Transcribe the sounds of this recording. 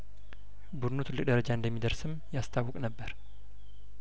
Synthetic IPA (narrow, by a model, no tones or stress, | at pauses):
bud̪nut̪ʰɨlːɨkʼd̪əɾəd͡ʒaɨnd̪əmːid̪əɾsɨmjast̪ʰawːɔkʼnəbːəɾ